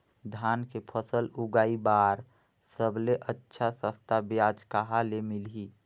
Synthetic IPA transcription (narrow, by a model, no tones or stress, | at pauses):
d̪ʱjaːnkepʰəsəlʊɡaːibaːɾ | səbleʔətːʃʰasə̃st̪ʰabjaːd͡ʒkaɦalemɪlɦi